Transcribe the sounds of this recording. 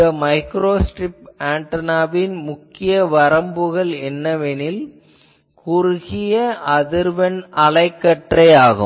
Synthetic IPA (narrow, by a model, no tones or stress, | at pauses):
ɐmɐɪkɾoːsʈɾɪpaːɳʈɐnaːbɪnmʊkːɪjɐʋɐɾɐmbɯɣɐɭɛnːɐʋɛnɪl | kʊɾʊɣɪjɐʔɐðɪɾʋɐnɐlɐɪkːɐʈrɐjaːɣɯ̰